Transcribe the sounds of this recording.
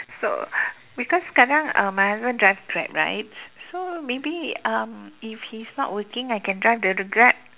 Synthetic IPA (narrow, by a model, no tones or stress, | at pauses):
so̰ | bikɔskadãŋã̰mahɛsbə̃ndɹajvkʰɹɛ̰t̚ɹa̰ɪt̚somebiʌ̃mifhisnɔ̰t̚wəkɪ̃ŋajkɛ̃ndɹajfdəɹiɡɹɛt̚